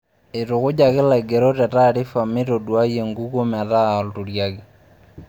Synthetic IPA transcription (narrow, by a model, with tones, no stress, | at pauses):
ɪ˨tʊ˨kʊ˦d͡ʒa˨kɪ˦la˨ɡe˨ɾo˦tɛ˨ta˦ɾɪ˦fa˨mɪ˦to˨dwa˦je˨ŋɡu˦ko˦mɛ˨ta˦ɔ˨ltu˨ɾja˦kɪ˦